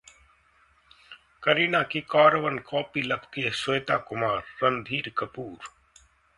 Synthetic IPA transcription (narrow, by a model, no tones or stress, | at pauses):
kəɾiːnaːkiːkaːɾʋənkʰoːpiːlɐpkisojt̪aːkʊmaːɾːɐnd̪ʱiːɾkəpuːɾ